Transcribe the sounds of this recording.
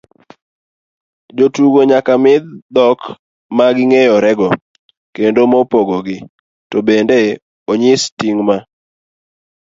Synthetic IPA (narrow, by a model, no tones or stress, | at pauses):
d͡ʒotuɡoɲakamɪd̪d̪ɔk | maɡɪŋejɔɾɛɡɔ | kendomopoɡɔɡɪ | tobende | oɲɪstiŋma